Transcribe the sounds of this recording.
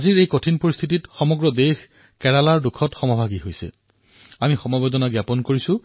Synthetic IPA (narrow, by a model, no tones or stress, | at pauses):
aziɹejkotʰinpoɹist̪ʰititxɔmɔɡɹɔdex | kɛɹalaɹdukʰɔtxɔmɔbʱaɡiɦojsɛ̰ | amixɔmabed̪ɔnaɡjapɔnkoɹisʊ̃